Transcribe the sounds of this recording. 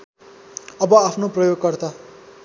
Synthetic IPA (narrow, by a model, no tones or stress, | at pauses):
ʌbʌapʰnoprʌjoɡkʌrt̪a